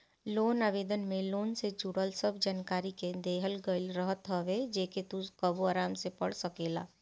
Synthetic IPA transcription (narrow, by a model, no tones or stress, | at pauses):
loːnaːʋeːd̪ənmẽloːnsed͡ʒuɽəlsəbd͡ʒaːnkaːɾiked̪eːɦəlɡəɪlɾəɦət̪ɦəʋed͡ʒeːket̪ukəbuaːɾaːmsepəɽsəkeːlaː